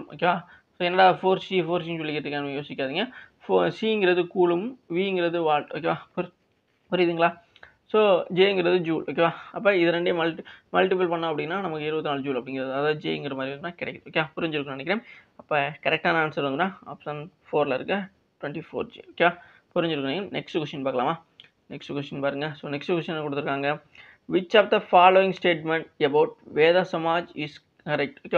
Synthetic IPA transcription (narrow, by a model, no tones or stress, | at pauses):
o̰ːkːeʋaː | soːɛnːɐɽaːfoːɾsifoːɾsiulːɪkːɪʈ̪ːɯkːaːnmejoːsɪkʲːaːðɯŋɡɐfosiɪŋɡɪɾɐðɯkuːlɯmʋiːɪŋɡɪɾɐðɯʋaːʈo̰ːk̬ːeːʋaːp | pʊɾɪjðɯŋɡɐɭaː | soːd͡ʒeːɪŋɡɪɾɐðɯd͡ʒuːlʔoːk̬ːeːʋaːɐpːoːɪðɐɾɛɳɖɯmɐlʈmɐlʈɪp̬ɐlpɐɳːõːɐpːɐɽɪnːaːnɐmɐkːɯɪɾɯbɐt̪ːɯnaːɭd͡ʒuːlɐpːɐɽɪŋɡɪɾɐðɯɐðaːðɯd͡ʒḛːɪŋɡɪɾɐmaːd̪ɾiʋɐnd̪ɯnːãːkɪɽɐɛkːɐðɯoːkːeʋaːpʊɾɪɲd͡ʒɪɾɯkːɯnɐnɛkːɾẽːmɐpːɐːkɐɾɛk̚ʈaːnɐaːnsɐɾʋɐnd̪ɯnãːa̰ːpsɐnfoːɾlɐɪɾɯkːɐ | ʈʊʋɛɳʈifo̰ːɾd͡ʒḭːoːkeːʋaː | pʊɾɪɲd͡ʒɪɾɯkːɐnenɛ̰ksʈkwɛsʈɐnpaːɾkɐlaːmaː | nɛksʈkwɛsʈɐnpaːɾɯŋɡɐsoːnɛksʈkwɛsʈɐnːakʊɽɯt̪ːɯɾɯkːaːŋɡɐ | ʋɪt͡ʃːɐːfd̪ɐfaːloːɪ̃ŋsʈeːʈmɛɳʈ̚ɐbɐʊʈ̚ʋeːðaːsɐmaːd͡ʒɪs | kɐɾɛk̚ʈoːkːea